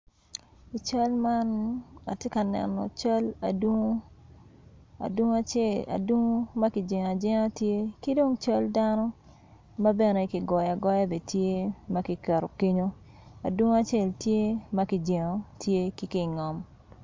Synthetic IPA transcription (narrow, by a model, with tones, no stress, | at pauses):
i˨t͡ʃa˦lma˦na̰˨tje˦ka˨nɛ̰˨nːɔ̰˨t͡ʃa˦la˨dŋo˦ | a̰˨dwu˦ŋo˦a˨t͡ʃe˦˨la̰˨dwu˦ŋo˦ma˦ki˨d͡ʒe˨ŋ˨a˨d͡ʒɛ˦ŋa˦tje˦ki˦do˦ŋt͡ʃa˦lda˦nɔ˦ | ma˦bɛ˨ne˨i˨ki˨ɡɔ˨ja˨ɡɔ˦ja˦be˨tje˦ma˦ki˨kɛ˨ɾo˨ke˦ɲo˦ | a̰˨dwu˦ŋo˦a˦t͡ʃe˦˨ltje˦ma˦ki˨d͡ʒe˨ŋo˨tje˦ki˦ki˨ŋɔ˨m